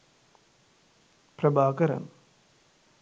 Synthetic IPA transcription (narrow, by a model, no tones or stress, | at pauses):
pɾɐbʱaːkɐɾɐ̰n